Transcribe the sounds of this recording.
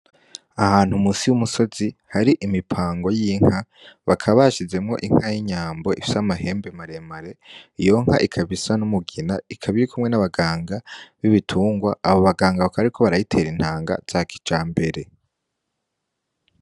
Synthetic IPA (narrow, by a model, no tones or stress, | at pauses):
ahaːn̥humusiwumuso̞zihaɾiʔimipʰaːŋɡo̞jiːŋ̥ha | βakʰaβaʃize̞mŋo̞̰ʔiŋ̥hajiɲaːmbo̞ʔifi̥samaɦe̞ːmbemaɾe̞maɾe̞ijo̞ŋ̥ha̰ʔikʰaβisanumuɡinaikʰaβiɾikumŋe̞naβaɡaːŋɡaβiβitʰuːŋɡwaːβo̞βaɡaːŋɡaβakʰaβɾikʰo̞βaɾajitʰe̞ːɾin̥haːŋɡa̰z̥akʰi̥t͡ʃaːmbe̞ɾe̞